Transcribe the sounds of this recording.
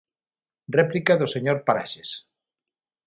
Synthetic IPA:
replikaðoseɲoɾpaɾaʃes

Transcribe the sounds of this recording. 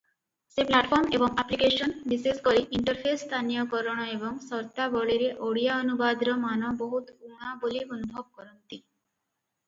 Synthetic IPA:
seplaʈfʰɔɾmebɔŋaplikeʃonɖisiskoɾiʔiɳʈəɾpʰesːt̪ʰanijokɔɾɔɽ̃ɔebɔŋsɔɾt̪abɔɭiɾeʔoɽijaonubad̪ɾɔmanɔboɦut̪uŋabolionubʱɔb̚kɔɾont̪i

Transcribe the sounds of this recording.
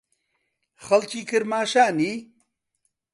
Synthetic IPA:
xɐlkiːkʰɨɾmaːʃaːniː

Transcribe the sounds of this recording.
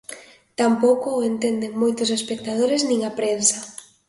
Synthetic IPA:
t̪ampowkoent̪end̪eŋmojt̪ʊs̬espek̚t̪að̞oɾeznĩŋapɾensa

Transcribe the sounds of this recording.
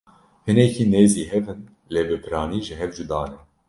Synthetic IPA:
hɨnɛkiːneːziːɦɛvɨn | leːbɨpʰɨɾɑːniːʒɨɦɛvd͡ʒud̪ɑːnɛ

